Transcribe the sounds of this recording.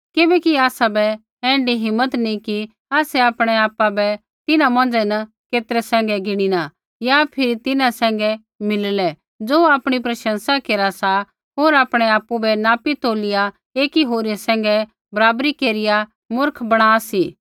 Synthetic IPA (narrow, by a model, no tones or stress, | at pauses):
kɪbɛkiaːsabɛ | ɛ̃ːɳɖiɦɪmːət̪nĩki | aːsɛaːpɽ̃ɛaːpːabɛ | t̪ɪnãmɐ̃nd͡zɛnɐ | keːt̪ɾɛsɛ̃ːŋɡɛɡɪɽ̃ina | japʰɪɾit̪ɪnãsɛ̃ːŋɡɛ | mɪllɛ | d͡zoːaːpɽ̃ipɾɐʃə̃nsakeːɾasa | ɦoːɾaːpɽ̃ɛaːpːubɛnaːpit̪oːlɪja | eːkiɦoːɾiasɛ̃ːŋ̆ɡɛ | bɐɾaːbɾikeːɾɪja | mʊɾkʰbɐɽ̃aːsiː